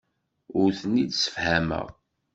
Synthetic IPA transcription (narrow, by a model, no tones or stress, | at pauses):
ʊɾθənːid̪sə̥fhæmə̰ʁ